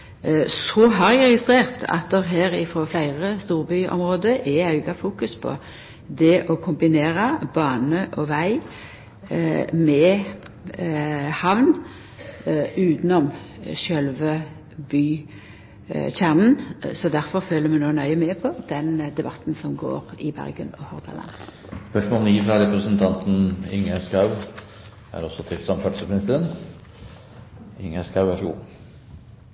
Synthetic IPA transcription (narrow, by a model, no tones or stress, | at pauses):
sɔɦɑʁæɡʁɛɡɪst̪ʁeːʁt̪ʰɑ̰t̪̚d̪ɛʁɦeːʁɪfɾoːflæɪʁəst̪uːʁbyʔɔ̰mʁoːd̪əʔɛɑʉɡɑfuːkʉspʰɔ̰ | d̪ɛʔɔkʰʊmbɪneːʁɑb̥ɑːnəʔɔʋæɪ | mɛ | hɑʋn | ʉːt̪nɔmʃœlʋə | byː | çæːʁnn̩sɔd̪æɾfɔʁføːləmɛnoːnœʏəmɛpʰɔd̪ɛnd̪ɛbɑt̪n̩sɔmɡo̰ːʁɪbæ̰ɾɡənɔhɔʁɡ̪ɑ̰lɑ̰n | spœʂmoːlniːfɾɑɾɛpɾəsənt̪ʰɑnt̪n̩ɪŋæskɑʉ | æ̰ɾɔsɔt̪ʰɪlsɑmfɑʈ̪səmɪnɪst̪əɾən | ɪŋæskɑʉæʂṵː